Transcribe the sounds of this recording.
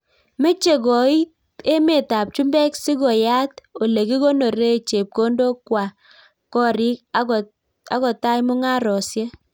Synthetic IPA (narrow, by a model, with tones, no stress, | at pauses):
me˦t͡ʃe˨kɔ˨i˦t | e˦me˨ta˨p̚t͡ʃu˦mbɛ˦ksi˦ɡɔ˨ja˦to˨le˨ki˦ɡo˦no˨ɾe˦t͡ʃe˨p̚ko˦ndo˦kwa˨ | kɔ˦ɾi˦k | a̰˦kɔ˨ta˦jmʊ˦ŋa˦ɾɔ˨sje˦